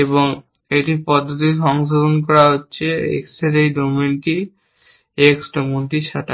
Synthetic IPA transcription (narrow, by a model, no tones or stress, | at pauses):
eboŋ | eʈipɔd̪ʱːot̪iʃɔŋʃ̬od̪ʱonkɔɾaɦotːɕʰeḛkseɾejɖomenʈi | eksʈomunʈiʃaʈa